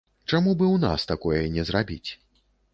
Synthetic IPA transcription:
t͡ʂamubɨwna̰st̪akɔjɐnʲɛzrabʲit͡sʲ

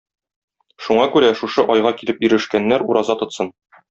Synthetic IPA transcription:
ʃuɴɑkʉɾæʃuʃɤʔɒjʁɑkilɘpjĭɾɘ̆ʃkænːæɾuɾɑzɑt̪ŏt̪sɤn

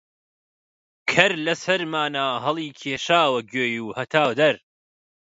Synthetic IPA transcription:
kʰɐɾlɐsɐɾmaːnaːɦɐlˠiːkʰeːʃaːwɐɡøːjuːhɐt̪ʰaːwd̪ɐɾ

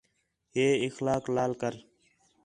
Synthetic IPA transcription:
ɦeːɪxlaːklaːlkəɾ

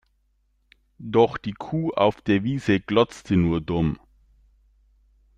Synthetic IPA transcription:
d̥ɔχd̥iːkʰuːʔa̰ʊfd̥eːɐviːzəɡ̥lɔt͡stʰənuːɐdʊm

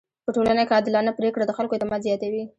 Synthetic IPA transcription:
pəʈolanakɑd̪ɪlɑnapɾekɽad̪əxalkoet̪ɪmɑd̪zjɑt̪awi

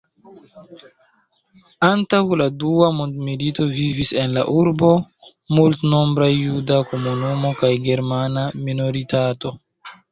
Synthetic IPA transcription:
antawladuamondmilito̞vivise̞nla̰ʔuɾbo̞ | multno̞mbɾajːudakomunumo̞kajɡe̞ɾmanamino̞ɾitato̞

